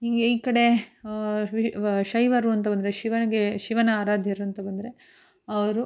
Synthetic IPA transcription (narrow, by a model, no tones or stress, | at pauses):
iːɡeiːkɐɽe̞ | ʋiʃɐjʋɐɾuɐnt̪̬ɐbɐnd̪ɐɾeʃiʋɐnɐɡeʃiʋɐnɐːɾaːd̪ʱjɐɾuɐnt̪ɐbɐnd̪ɐɾe̞ | ɐʋɐɾu